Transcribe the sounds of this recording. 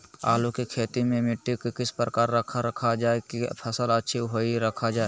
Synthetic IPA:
a̰ːlokikʰeːt̪imẽmɪʈːikikɪspɾəkaːɾːəkʰaɾəkʰad͡ʒaːekipʰəsələtːʃʰiɦoiɾəkʰad͡ʒaːe

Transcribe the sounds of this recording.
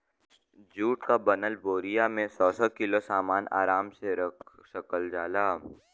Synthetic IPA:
d͡ʒuːʈkabɐnəlboːɾijamẽsɔːsɔkɪlosaːmaːnʔa̰ːɾaːmseɾɐkʰsɐkəld͡ʒaːlaː

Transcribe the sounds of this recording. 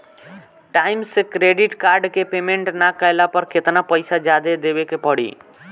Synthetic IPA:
ʈaimsekɾeɖiʈkaɾɖkepemeɳʈnakajlapəɾket̪napəɪsad͡ʒad̪ed̪ebekepəɽḭ

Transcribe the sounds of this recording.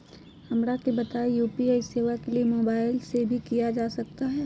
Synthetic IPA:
hɐmɾakebɐt̪aːejuːpiaːiseːʋakeliemoːbaːɪlsebʱikijad͡ʒaːsɐk̚t̪aɦɛː

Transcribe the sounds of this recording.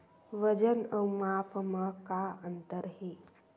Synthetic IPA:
ʋəd͡ʒənəwmaːpməkaə̃nt̪əɾɦeː

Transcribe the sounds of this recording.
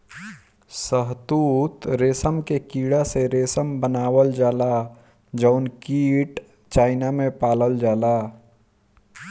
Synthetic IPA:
səɦt̪uːt̪ɾeːsəmkekiːɽaseɾeːsəmbənaːwəld͡ʒaːla | d͡ʒəʊnkiːʈ | t͡ʃaːɪnamẽpaːləld͡ʒaːlaː

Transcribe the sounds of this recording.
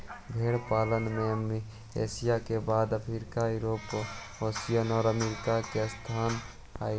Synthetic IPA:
bʱeːɽpaːlənmẽəmi | ḛːsɪjakebaːd̪əpʰɾiɾkajʊɾoːp | oːsijənɔːɾəmeːɾɪkakest̪ʰaːn | a̰ː

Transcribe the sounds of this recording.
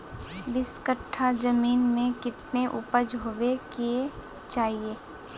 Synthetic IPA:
dɪskəʈʰːad͡ʒəmiːnmẽkɪt̪neʔʊpəd͡ʒɦoʋekie | t͡ʃaːɦieː

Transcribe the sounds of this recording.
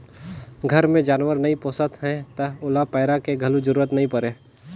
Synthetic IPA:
ɡʱɐɾmẽd͡ʒaːnwəɾnɐɦĩpoːsət̪ɦɛ̃t̪əʊlapɛːɾakeɡʱɐlud͡ʒəɾuːɾət̪nɐɦĩpəɾeː

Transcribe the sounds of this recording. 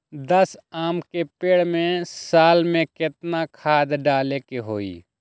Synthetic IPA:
d̪əsaːmkepeːɽmẽsaːlmẽkɪt̪nakʰaːd̪ɖaːlekeɦoːḭː

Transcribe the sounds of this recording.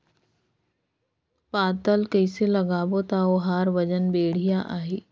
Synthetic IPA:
paːt̪əlkəɪselɐɡaːbot̪aoɦaːɾʋəd͡ʒənbeːɽ̤ijaʔaːɦeː

